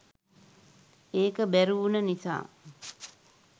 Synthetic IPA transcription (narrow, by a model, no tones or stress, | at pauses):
eːkəbæɾuunənisa̰ː